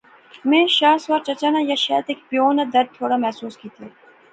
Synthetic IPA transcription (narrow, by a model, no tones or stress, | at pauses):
mẽːʃaːsʋaːɾt͡ʃɐt͡ʃaːnajɐʃɛːt̪eːkpijoːnad̪ɐɾd̪̚t̪ʰːoːɽamɛɦsuːskiːt̪ieː